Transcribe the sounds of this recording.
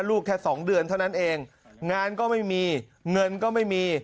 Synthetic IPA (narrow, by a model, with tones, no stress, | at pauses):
luː˥˩k̚ʰːɛː˥˩sɔː˩˦ŋdɯ˧ənt̪ʰa˥˩wna˦˥nʔeː˧ŋ | ŋaː˧nkɔː˥˩ma˥˩jmiː˧ | ŋɤ˧nkɔː˥˩ma˥˩jmiː˧